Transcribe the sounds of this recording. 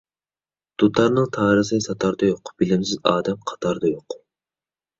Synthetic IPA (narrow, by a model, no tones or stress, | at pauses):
d̪̥ut̪ʰɑɾnɨŋt̪ʰɑːɾɨsɨsɑt̪ʰɑɾd̪ɑjoqb̥ɪlɪmsɪzɑ̰ːd̪ɛmqʰɑ̥t̪ʰɑɾd̪ɑjoq